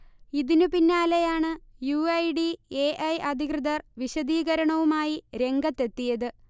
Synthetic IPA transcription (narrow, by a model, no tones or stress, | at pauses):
iðinupinːaːlejaːɳɨjuːɐjɖieːʔɐjɐd̪ʱikrɨðɐrʋiɕɐd̪iːɣɐɾɐɳɐʋumaːjiɾe̞ŋɡɐt̪ːe̞t̪ːijɐðɨ